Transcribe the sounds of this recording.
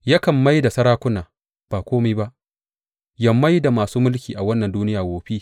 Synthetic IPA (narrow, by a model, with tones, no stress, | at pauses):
ja˦kɐ˨mːa˦jda˨sɐ˦ɽaː˦kʷʊ˦naː˨ | b̥aː˨kʷoː˦miː˦ba˦ʔ | jɐ˨mːa˦jda˨maː˨suː˦mʊ˦lkʲiː˨ʔa˨wɐ˦nːɐ˨nduː˦nɪ˦jaː˨ɡʷoː˨ɸi˦